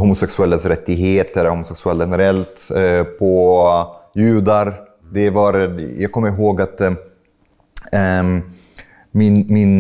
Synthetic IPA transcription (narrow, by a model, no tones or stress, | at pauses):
hʊmʊsɛksɵɛlːasɾɛt̪ːɪɡɦeːt̪əɾhʊmʊsɛksɵɛlɧɛnɛɾɛlt̪pʰɔ | jʉ̟ːd̪aɾ | d̪ɛvaɾjɑːɡ̚kʰɔmːəɾɦoːɡat̪ | mɪnmɪn